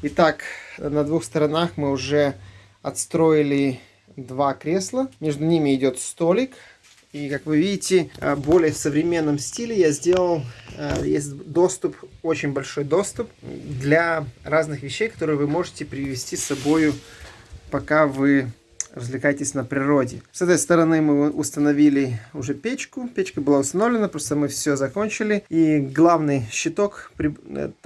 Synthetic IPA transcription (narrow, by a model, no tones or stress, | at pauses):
ɪt̪aknəd̪vuxst̪əɾɐnaxmɨʊʐɛ | ɐt̪st̪ɾo̞ɪlʲɪ | d̪vakɾʲe̞slˠəmʲe̞ʐd̪ʊnʲimʲɪːdʲo̞t̪st̪olʲɪk | ikakvɨvʲidʲɪtʲɪbolʲɪjəfsəvɾʲɪmʲe̞nːəmsʲtʲilʲɪjazʲdʲe̞lˠəlˠjḛsʲt̚ʲd̪o̞st̪ʊpo̞t͡ɕɪnʲbɐlʲʂo̞jd̪o̞st̪ʊpd̪lʲɐraznɨxvʲɪɕːejkɐ̥t̪o̞ɾɨjvɨmo̞ʐɨtʲɪpɾʲɪvʲɪsʲtʲisɐbo̞jʊ | pɐkavɨ | rəzʲvlʲɪkajɪtʲɪsʲnəpɾʲɪɾodʲɪ̰sɛt̪əjst̪əɾɐnɨmɨʔʊst̪ənɐvʲilʲɪʊʐɛpʲet͡ɕkʊpʲet͡ɕkəbɨlˠaʊst̪ɐnovlʲɪnəpɾost̪əmɨfsʲɵzɐkonʲt͡ɕɪlʲɪiɡlˠavnɨjɕːɪt̪o̞kpɾʲɪ̰